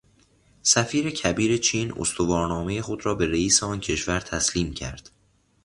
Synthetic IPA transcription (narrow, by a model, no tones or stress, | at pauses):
sæfiːɾe̞cʰæbiːɾe̞t͡ʃʰiːno̰st̪ovɒːɾnɒːme̞jexo̞d̪ɾɒːbe̞ɾeiːseɒːncʰe̞ʃvæɾt̪ʰæsliːmcʰæ̰ɾd̪̥